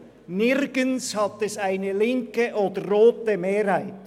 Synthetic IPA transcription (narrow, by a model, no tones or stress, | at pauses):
nɪɾɡ̥ənshɑt̪ɛsaɪnəlɪŋkəʔoːdərːoːtəmeːɾhaɪt